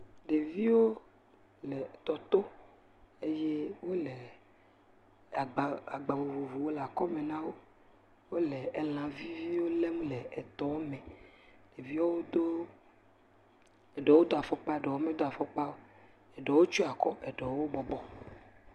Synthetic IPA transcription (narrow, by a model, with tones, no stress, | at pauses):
ɖe˨vi˦wo˦ | lɛ˨t̪ɔ˨t̪o˦ | e˦je˦wo˦lɛ˨ | a˨ɡ͡ba˨a˨ɡ͡ba˨vo˨vo˨vu˨wo˦la˨kɔ˦mẽ˨nã˦wo˦ | wo˦lɛ˨ɛ˦l̃ã˨vi˦vi˦wo˦le˦mũ˦lɛ˨ɛ˨t̪ɔ˨wo˦mɛ̃˨ɖ̥e˨vi˦wo˦wo˦d̪o˦ | ɛ˨ɖɔ˨wo˦d̪o˦a˨fɔ˦k͡pa˦ɛ˨ɖɔ˨wo˦me˦d̪o˦a˨fɔ˦k͡pa˦wo˦ | ɛ˨ɖɔ˨wo˦t͡ʃo˦a˨kɔ˦ʔɛ˨ɖɔ˨wo˦bɔ˨bɔ˨